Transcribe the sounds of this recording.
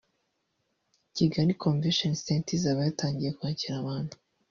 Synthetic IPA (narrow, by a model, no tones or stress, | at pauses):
ciɡaɾikʰoɱveʃonsentizaβajataːɲɟije̞kuaːciɾaβaːn̥hḁ